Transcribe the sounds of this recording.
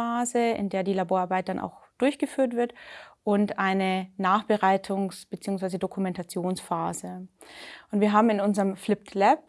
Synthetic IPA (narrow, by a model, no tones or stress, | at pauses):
aːzəɪ̰ndeːɐdiːlaboːɐʔaɐbaɪt̚d̥anʔa̰ʊxd̥ʊɐçɡ̥əfyːɐtv̥ɪɐtʔʊntʔaɪnənaːχb̥əʁaɪtʰʊŋsb̥ət͡siːʊŋsv̥aɪzədokʰumɛntat͡sjoːnsfaːzə | ʔʊntv̥iːɐɦaːbm̩ɪnʊnzəʁəmflɪp̚tʰlɛp̚